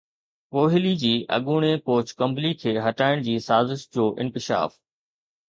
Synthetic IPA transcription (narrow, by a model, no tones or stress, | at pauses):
koːɦɪlid͡ʑiːʔɐ̰ɠuːɽ̃ekoːt͡ɕkɐ̃mblikʰeːɦɐʈaːɪɽ̃d͡ʑiːsaːzɪʃd͡ʑoːʔɪ̃nkɪʃa̰ːf